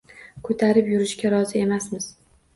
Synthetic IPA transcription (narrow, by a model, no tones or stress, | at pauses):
kʰɵt̪ʰaɾɪpjʊɾɪʃkʲaɾɒzɪe̞masmɪz̥